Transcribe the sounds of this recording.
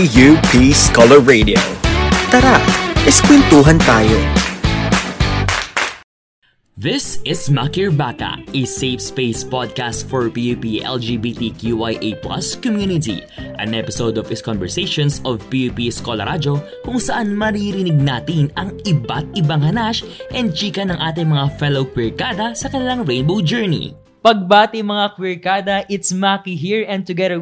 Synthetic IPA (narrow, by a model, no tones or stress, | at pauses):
jupʰiskɔlɛɹːed̪io̰t̪ɐɾaʔʔɪskwɛnt̪uːɦɐnt̪aːjo | ðɪsɪsmɐkiɹbaːk̪ɐ̰ʔɪsefspejspɔd̪̚kast̪fɔɹpiuːpiʔɛ̰ld͡ʒiːbit̪ikjuʔajʔejplɐ̰skɔmjuːnɪt̪ḭ | ʔɐŋʔɛpɪsowd̪ovɪskɔnvɛɹsejʃonsovpiupiskolɐɾʔad͡ʒo̞ | kʊŋsɐʔanmɐɾiɾɪnɪɡ̚naːt̪ɪnɐŋʔɪbat̪̚ʔɪbaŋhɐnaʃʔɛnd̪̚t͡ʃiːkɐnɐŋʔaːt̪̬ɪŋmɐŋafɛlowkwɪɹkad̪ɐsɐkɐnɪlaŋɹejnbowd͡ʒɛɹnḭ | pɐɡ̚baːt̪ɪmɐŋakwɪɹkaːd̪ɐʔɪt̪smakiɦiɹɛ̃n̚t̪ʊɡɛd̪ə